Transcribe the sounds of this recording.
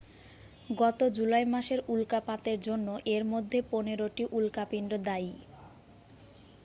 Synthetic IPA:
ɡɔt̪od͡ʑulajmaʃeɾulkapat̪eɾd͡ʑonːoʔeɾmod̪ʱːeponeɾoʈiʔulkapinɖɾod̪ai

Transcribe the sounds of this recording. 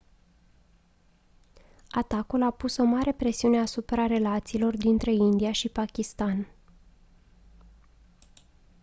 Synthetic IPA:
at̪akulapuso̞maɾʔe̞pɾe̞siune̞asupɾaɾe̞lat̪siːlo̞rd̪int̪ɾe̞ind̪ijaʃipakʲist̪an

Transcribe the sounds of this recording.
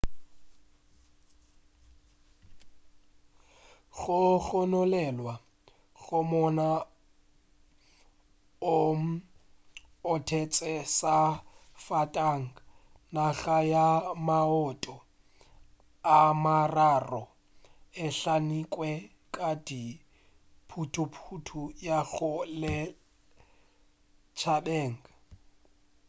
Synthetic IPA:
ɣʊɣɔnɔlɛlwa | ɣʊmɔna | om̩ | ʊtʰet͡sʼɛsafatʼaŋ̩ | naɣajamaɔtʼɔ | amararɔ | ɪɬanikʼwɛ | kʼadi | pʰutʰʊpʰutʰujaɣʊlɪ | t͡ʃʰabeːŋ̩ɡa

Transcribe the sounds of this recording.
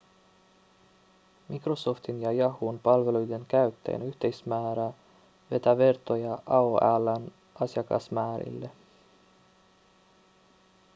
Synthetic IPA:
mʔikro̞so̞ft̪injɑjɑhunpɑlʋe̞lujde̞ŋkæɥt̪ːḛːnyht̪e̞jsmæːɾæ | ʋe̞t̪æʋe̞rt̪o̞jɑʔɑoʔælːæn | ɑsjɑkɑ̰smæːɾḭlːe

